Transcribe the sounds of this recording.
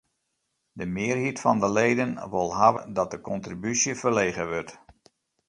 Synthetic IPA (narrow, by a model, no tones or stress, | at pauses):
dəmɪːrɦitfɔndəlejdənʋʊlˠɦaʋədɔt̚dəkɔntribysjəfərleːɣəʋørt